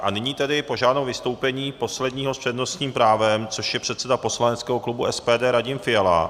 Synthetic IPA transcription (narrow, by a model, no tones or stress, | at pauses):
ʔanɪɲiːt̪ɛdɪpo̞ʒaːdnowvɪst̪owpɛɲiːpo̞slɛdɲiːɦospr̥ɛdno̞st̪ɲiːmpɾaːvɛmt͡soʃjɛpr̥ɛt̪sɛdapo̞slanɛt͡skɛːɦoklubuʔɛspɛːdɛːɾaɟɪmfɪjala̰